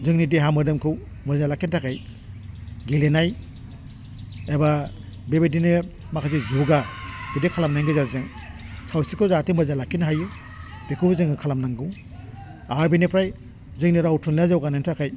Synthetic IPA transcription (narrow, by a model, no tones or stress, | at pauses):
zɯŋnideɦamɯdɯmkʰɯw | mɯznalakintʰakaj | ɡelenaj | eba | bebedinɯ | makʰazizuɡab̥idekʰalamnaŋɡɯzaɾzɯŋ | sʰawsikʰɯzatimɯznalakʰinɦajɯ | b̥ekʰubɯzɯŋɯkʰalamnaŋɡɯw | aɾbinipʰɾaj | zɯŋniɾawtʰunlazawɡanantʰakʰaj